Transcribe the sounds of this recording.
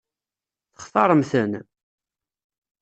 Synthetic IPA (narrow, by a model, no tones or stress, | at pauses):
θə̥χθɑɾˤəmθən